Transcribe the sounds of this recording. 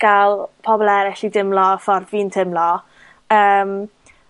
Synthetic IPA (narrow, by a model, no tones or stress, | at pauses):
ɡ̥alˠpʰɔbɔlˠɛɾɪɬidɪmlˠɔfɔrðviːntʰɪmlˠɔ | əːm